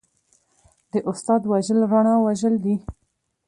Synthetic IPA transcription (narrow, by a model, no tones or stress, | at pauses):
d̪əʔʊst̪ɑd̪waʒəlɾaɳ̃ɑwaʒəld̪i